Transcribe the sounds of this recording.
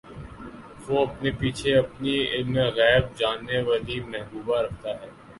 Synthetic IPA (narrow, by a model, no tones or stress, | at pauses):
ʋoɐpnepiːt͡ʃʰeɐpniɪlneɣɛːb̚d͡ʒaːnːeʋaːlimɛɦbuːbaɾɐk̚ʰt̪aɦɛː